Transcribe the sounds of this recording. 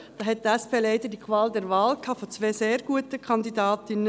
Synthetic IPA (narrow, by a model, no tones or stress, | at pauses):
d̥ɑːɦɛt̚tæspʰeːlɛɪdədikʰʋɑːld̪ɛɾʋɑːlkʰɑːfot͡sʋeːseːɾɡ̥uətəkʰɑnd̪idɑːt̪ɪnːə